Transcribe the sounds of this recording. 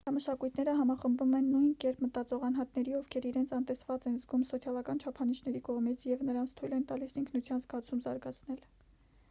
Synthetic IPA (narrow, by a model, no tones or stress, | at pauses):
d̪ɑməʃɑkujt̪ʰnɛɾəɦɑmɑχəmbumɛnːujnkɛɾpʰmət̪ɑt͡sɔʁɑnɦɑt̪nɛɾiɔvkʰɛɾiɾɛnt͡sʰɑnt̪ɛsvɑt͡sɛnzɡumsɔt͡sʰjɑlɑkɑnt͡ʃʰɑpʰɑniʃnɛɾikɔʁmit͡sʰjɛvnəɾɑnt͡sʰt̪ʰujlɛnt̪ɑlisiŋkʰnut͡sʰjɑnzɡɑt͡sʰumzɑɾɡɑt͡sʰnɛl